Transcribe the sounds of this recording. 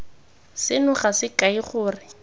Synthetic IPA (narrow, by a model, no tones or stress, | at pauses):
sɪnʊχasɪkaiχʊːrɪ